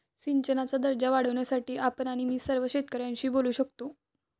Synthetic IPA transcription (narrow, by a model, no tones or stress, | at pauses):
siɲt͡ɕənat͡sad̪əɾd͡ʑaʋaɽ̤əʋɳjasaʈiːʔapənaɽ̃imiːsəɾʋəɕet̪kəɾjãɲt͡ɕiːboluːɕəkt̪o